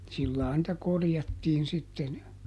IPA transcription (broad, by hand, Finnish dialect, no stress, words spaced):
silːɑː nĭtæ korjɑtːiːn sitːen